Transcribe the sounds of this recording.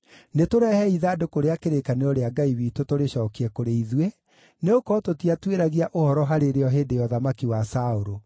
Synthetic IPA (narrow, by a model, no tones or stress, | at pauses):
netoɾɛhɛiðaːdokoɾeakeɾekaneɾɔɾeaɡaiβitotoɾeɕɔːkiɛkoɾeiðwe | neokɔtotiatweɾaɣiaʔohɔɾɔɦaɾeɾeɔɦeːdejɔðamakiwasaoɾo